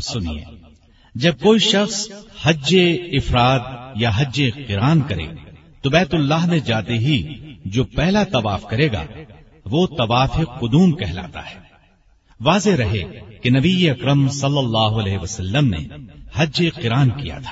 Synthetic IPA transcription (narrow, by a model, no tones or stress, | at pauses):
psʊnḭḛː | d͡ʒɐb̚koːiʃɐxshɐd͡ʒeɪfɾaːt̪̚jaɦɐd͡ʒeqɪɾaːnkɐɾḛː | t̪obɛːt̪ʊlːaːɦned͡ʒaːt̪eɦid͡ʒoːpɛɦlat̪ɐʋaːfkɐɾeːɡa̰ | ʋoːt̪ɐʋaːfɪqːʊd̪uːmkɛɦla̰ːt̪a̰ɦɛ̥ː | ʋaːzeɾɐɦekenɐbieɐkɾəmsɐlːɐlːaːɦoɐlɛːɦeʋɐsɐlːəmnḛhɐd͡ʒd͡ʒeqɪɾaːnkija̰t̪ʰḁː